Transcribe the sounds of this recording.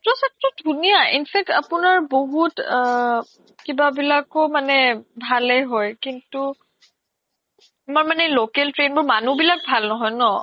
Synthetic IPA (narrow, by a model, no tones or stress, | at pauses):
tɔsɛk̚tɹɔdʱunijaʔḭnpʰɛk̚tapunaɹboɦut | kibabilakɔmanɛbʱalɛjɦɔjkintu | maɹmanɛlokɛltɹenbɔɹmanubilak̚bʱalnɔɦɔjnɔ